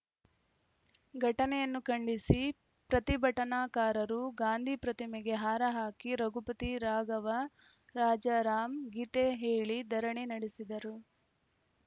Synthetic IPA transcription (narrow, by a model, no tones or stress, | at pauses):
ɡʱɐʈɐnɛjɐnːukɐɳɖisi | pɾɐt̪ibʱɐʈɐnaːkaːɾɐɾuɡaːnd̪ʱipɾɐt̪imɛɡe̞ɦaːɾɐɦaːkiɾɐɡupɐt̪iɾaːɡɐʋɐɾaːd͡ʒɐɾaːmɡit̪eɦeːɭid̪ɐɾɐɳinɐɽesid̪ɐɾu